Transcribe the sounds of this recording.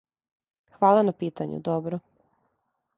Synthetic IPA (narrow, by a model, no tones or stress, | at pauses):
xʋaːlˠanapiːt̪aɲṵd̪ɔbɾo